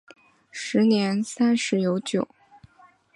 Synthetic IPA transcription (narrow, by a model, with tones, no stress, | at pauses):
ʂɻ̩˧˥njɛ˧˥nsa˥nʂɻ̩˥jo˧˥ʊt͡ɕjo˨˩˦ʊ